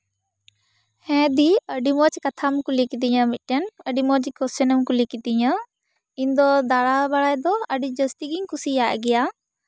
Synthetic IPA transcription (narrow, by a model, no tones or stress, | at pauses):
hɛ̃ːd̪iəɖimɔt͡ʃkɐt̪ʰamkulikit̪iɲãmɪʈənəɖimɔt͡ʃkɔsənəmkulikit̪iɲə | ĩnd̪ɔd̪aɽabaɽaːjd̪ɔəɖid͡ʒəst̪iɡiŋkʊsijaʔɡɛja